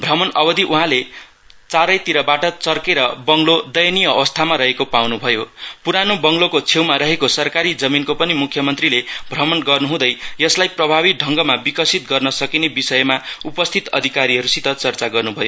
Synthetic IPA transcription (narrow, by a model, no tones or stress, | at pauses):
bʱramʌnʌbʌd̪iʔuɦãle | t͡saɾʌjt̪iɾʌbaʈʌt͡sʌrkeɾʌbʌŋlod̪ʌjʌnijʌʌwʌst̪ʰamaɾʌɦekopawnubʱʌjopuɾanobʌŋlokot͡sʰewmaɾʌɦekosʌrkaɾid͡zʌminkopʌnimukʰjʌmʌnt̪rilebʱramʌnɡʌrnuɦũd̪ʌjjʌslajprʌbʱabiɖʱʌŋɡʌmabikʌsit̪̚ɡʌrnʌsʌkinebisʌjmaupʌst̪ʰit̪ʌ̰d̪ʱikaɾiɦʌɾusit̪ʌt͡sʌrt͡saɡʌrnubʱʌjo